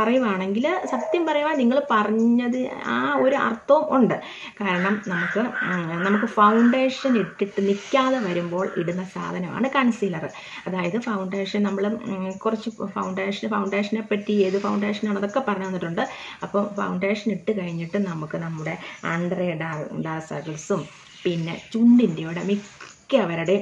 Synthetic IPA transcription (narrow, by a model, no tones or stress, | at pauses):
pɐrɐjuʋaːɳe̞ŋɡilsɐt̪jɐmpɐrɐjuʋaːniŋːɐɭpɐrɐɲːɐðɨaːo̞ɾuʔɐ̰rt̪ːɐʋumʔuɳɖɨ | kaːɾɐɳɐmnɐmukːɨnɐmukːɨfɐwɳɖe̞ːʂɐneʈːiʈːɨnikʲːaːðeʋɐɾumbo̞ːɭiɽunːɐsa̰ːd̪ʱɐnɐma̰ːɳɨkɐɳsiːlɐrɨ | ɐðaːjɐðɨfɐwɳɖeːʂɐnnɐmːɐɭkurɐt͡ɕːufɐwɳɖeːʂɐnfɐwɳɖe̞ːʂɐnepːɐtːijeːðɨfɐwɳɖeːʂɐnaːɳɐðo̞kːe̞pːɐrɐɲːunːiʈːuɳɖɨɐpːoːfɐ̰wɳɖe̞ːʂɐneʈːɨkɐɻiɲːiʈːɨnɐmukːɨnɐmːuɽe̞ɐɳɖɐreːɖarɖarsɐ̰ɣɐlsum | pinːe̞̰t͡ɕuɳɖindeuɽemikʲːɨɐʋɐɾuɽe̞